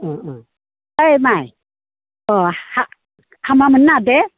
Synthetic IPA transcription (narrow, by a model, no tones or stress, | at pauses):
əjmaj | ɔha | hʰamamənːadɛ